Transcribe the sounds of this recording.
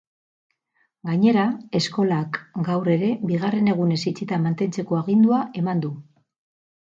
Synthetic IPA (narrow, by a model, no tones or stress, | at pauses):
ɡaɲe̞ɾae̞sko̞lakɡawre̞ɾe̞biɣ̞are̞ne̞ɣ̞une̞sit͡sit̪amant̪e̞nt͡se̞ko̞aɣind̪uaʔe̞mand̪u